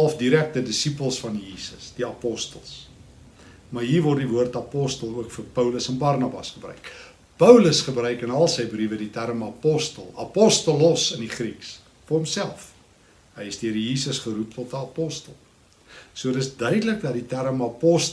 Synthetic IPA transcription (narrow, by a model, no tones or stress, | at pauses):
lˠfdiɾæk̚tədəsipəlˠsfɐnjiːsəsd̥iɐpɔstəlˠs | mɑrɦiːrvɔrdivuərtɐpɔstəlˠuəkfərpəwləsɛnbɑrnɑbɐ̰sχəbɾœ̰ɥk | pəwləsχəbrœɥkənɐlˠsəjbrivəditæɾəmɐpɔstəlˠɐpɔstəlɔsəndiχriks | fərɔmsælˠf | ɦəjəsdiəɾjiːsəsχəɾup̚tɔtəɐpɔstəlˠ | suəətəsdœɥdələkdɐditæɾəmɐpɔs